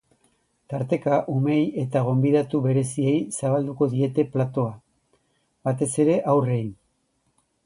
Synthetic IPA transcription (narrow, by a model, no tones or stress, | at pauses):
t̪aɾt̪e̞kaʔumeje̞t̪aɣ̞o̞mbiðat̪uβe̞ɾe̞sie̞jsaβald̪uko̞ðie̞t̪e̞plat̪o̞a | bat̪e̞se̞ɾe̞ʔawre̞in